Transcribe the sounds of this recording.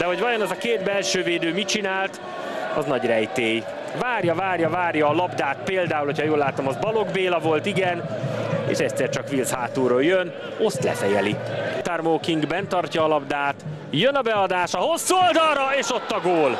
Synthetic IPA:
d̪̥ɛɦo̞ɟvɒjo̞nɛzɒkeːd̪bɛlʃøːveːd̪øːmit͡ʃinaːlt̪ | ɒ̰znɒɟrɛjt̪eːj | vaːrjɒvaːrjɒvaːrjɒːlɒbd̪aːt̪peːld̪aːulhocʰɒjoːlːaːt̪omɒzbɒlo̞ɡbeːlɒvo̞lt̪iɡɛnḛːʃɛcsɛrt͡ʃɒkʋilzhaːt̪uːɾoːljøn | o̞st̪lɛ̰fɛjɛlḭt̪armoːkiŋɡbɛnt̪ɒrcɒːlɒbd̪aːt̪ | jønɒbɛɒd̪aːʃɒho̞sːuold̪ɒlɾɒeːʃo̞t̪ːɒɡoːl

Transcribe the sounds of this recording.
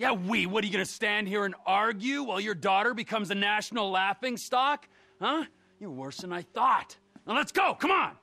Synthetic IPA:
jæwiwʌɾəjɨɡʌnɨstæ̃nd̚hiɹɨ̃nɑɹɡjʉwɛlˠjə˞dɔɾə˞bɨkʰʌ̃mzɨnæʃn̩l̩ˠlæfɪ̃ŋstɑk | hʌ | jə˞wɜ˞sə̃naɪθɔt | ə̃nlətsɡ̥oʊkʰʌ̃m̃n

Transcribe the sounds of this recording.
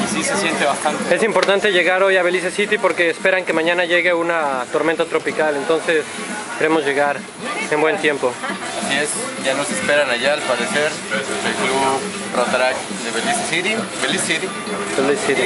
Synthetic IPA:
sisesjent̪eβast̪ant̪ee̞simpo̞ɾt̪ant̪eʝe̞ɣaɾo̞jaβe̞lis̬esit̪ipo̞ɾke̞ːspe̞ɾaŋke̞mãɲãnaʝe̞ɣe̞unat̪o̞ɾment̪at̪ɾo̞pikalent̪o̞nse̞s | ke̞ɾe̞mo̞zʝe̞ɣaɾ | e̞mbwe̞nt̪je̞mpo̞ | asie̞sʝanosespe̞ɾanaʝaːlpaðeseɾ | ðeklu | rot̪ɾak | d̪eβelisesiɾibelisit̪i | d̪eβelissit̪i

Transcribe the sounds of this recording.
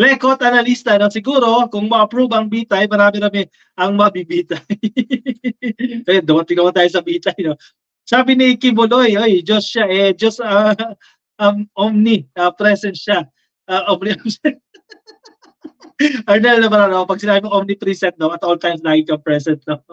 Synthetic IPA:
lɛkot̪ʔɐnɐlist̪ɐnosɪɡuːɾo̞kʊŋmɐʔɐpɾuːbɐɐŋbiːt̪ɐjmɐɾaːmɪɾɐmɪ | ʔɐŋmɐbibiːt̪ɐj | ʔɐjond̪ʊmɐt̪ɪɡ̚nɐmɐt̪aːjosɐbiːt̪ɐjno | saːbɪnikɪbʊlojʔojd͡ʒosʃaʔɛd͡ʒɐst̪ɐ | ʔɐmʔomniɐpɾɛsɛnt̪ʃa | ʔɐʔomnioɛ | ʔɐɹnɛlnɐmɐɾaːnɐmɐpɐɡ̚sɪnaːbɪmɐŋʔomnipɾisɛnt̪̚d̪oɐt̪ʔolt̪ajmslaːɡɪŋkɐŋpɹɛsɛnt̪̚no

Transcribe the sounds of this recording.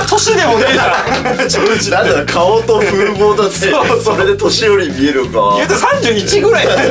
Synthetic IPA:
t̪ʰoɕid̪e̞moasonãnd̪aokʰaot̪oɸɯːboːd̪at͡sesoɾe̞d̪e̞t̪o̞ɕijo̞ɾʲimʲie̞ɾɯ̟ɡajɯt̪osãɲ̟d͡ʑɨːit͡ɕiɡɯ̟ɾai

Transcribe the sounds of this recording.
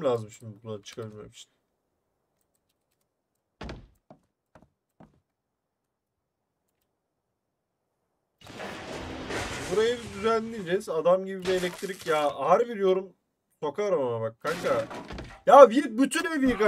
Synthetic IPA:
lʲaːzɯmʃimd̪ibunaat͡ʃʰɯ̥kʰabiɾmḛmi̥ʃʰi̥n | buɾajɯbid̪yzænʲːid͡ʒɛzad̪amɟibilʲielʲɛc̚t̪ʰɾicjaːhæɾbiɾjo̞ɾum | so̞kʰaɾamamaβakkʰːakajaːbiɾbyt̪ʰynbibiɾka

